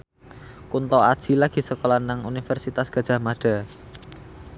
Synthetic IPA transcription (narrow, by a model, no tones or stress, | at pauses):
kunt̪ɔad̥ʒ̥ilaɡ̥i̤səkolanaŋunifɛrsit̪asɡ̥a̤d̥ʒ̥a̤maɖ̥a